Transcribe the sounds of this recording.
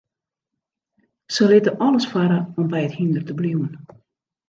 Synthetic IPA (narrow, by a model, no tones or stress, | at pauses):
səlɪtəʔɔləsfaɾəɔmbɛjəthindərtəbliwən